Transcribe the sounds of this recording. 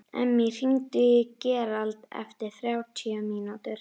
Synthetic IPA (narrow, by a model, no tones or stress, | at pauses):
ɛ̰mːɪr̥iŋt̪ʏcɛːɾalt̪ɛ̰ft̪ɪɾ̥θɾjaːwt̪ʰiaminut̪ʏɾ̥